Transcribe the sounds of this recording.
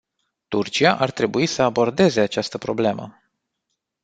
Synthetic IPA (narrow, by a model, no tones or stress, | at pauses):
t̪urt͡ʃiaʔart̪ɾe̞buisəabo̞rd̪e̞ze̞at͡ʃast̪əpɾo̞ble̞mə̰